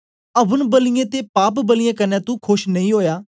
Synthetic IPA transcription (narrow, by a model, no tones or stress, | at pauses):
əbənbəlɪjẽːt̪eːpaːpbəlɪjẽːkənɛ̃ːt̪ũːkʰʊʃnəĩːɦoːjaː